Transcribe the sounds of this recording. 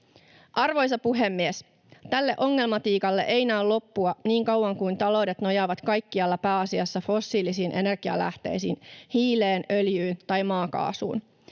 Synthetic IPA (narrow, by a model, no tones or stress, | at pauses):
ʔɑrʋo̞js̬ɑpuɦe̞mːies | t̪ælːe̞ʔo̞ŋːe̞lmɑt̪iːkɑlːeʔejnæːllo̞pːuɑniːŋkɑwːɑŋkujnt̪ɑlo̞wde̞t̪no̞jɑʋɑt̪kɑjkːiɑlːɑpæːɑsiɑsːɑfo̞sːiːlisiːnʔe̞ne̞rɡ̥iɑ̰læ̰ht̪e̞̰jsiːnhiːle̞ːnø̞ljyːnt̪ɑjmɑːkɑ̰ːsṵːn